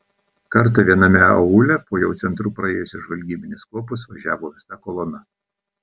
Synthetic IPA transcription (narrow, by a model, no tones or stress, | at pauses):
kɐɾt̪ɐʋʲiɛnɐmʲɛɐʊlʲɛpoːjɛʊɛnt̪ɾuːpɾɐeːjʊsʲɪʒʋɐlʲɡʲiːbʲɪnʲɪskuɔpʊs̬ʋɐʒʲæːʋoːʋʲɪsɐkɔlˠɔnɐ